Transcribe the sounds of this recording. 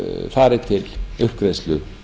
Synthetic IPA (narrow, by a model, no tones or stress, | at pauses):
faːɾɪt̪ʰɪlʏhkɾejslʏ